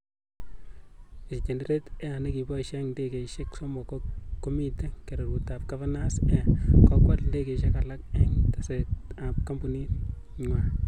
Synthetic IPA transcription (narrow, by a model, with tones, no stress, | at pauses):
i˨si˨t͡ʃe˨nde˦ɾe˦tɛ˦a˨ne˦ki˨bɔ˦ʃɛŋde˦ke˨ʃɪ˦kso˦mɔ˨ko˦o˦mi˦te˦ke˨ɾe˨ɾu˨ta˨p̚ɡa˦vanasɛ˦kɔ˦kwa˨lde˦ke˨ʃe˦kala˦k̚ɛ˦ŋta˨seta˨p̚ka˦mbu˨ni˦t | ɲwa˦